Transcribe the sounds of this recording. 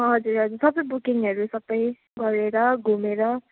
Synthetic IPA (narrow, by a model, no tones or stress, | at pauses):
ɦʌd͡zuɾɦʌd͡zuɾsʌbʌjbukiŋʌɾusʌbʌj | ɡʌɾeɾʌɡʱumeɾʌ